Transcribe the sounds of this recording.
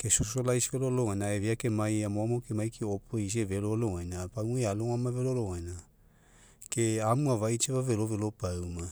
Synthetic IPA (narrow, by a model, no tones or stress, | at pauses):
kesosolajsiololoŋanaeviakemajamomokemajkʰeopʰojs̬ieveɾoloŋajnapaŋuealoŋamaveɾoloajna | keamuavajt͡ʃeβaveɾovelopauma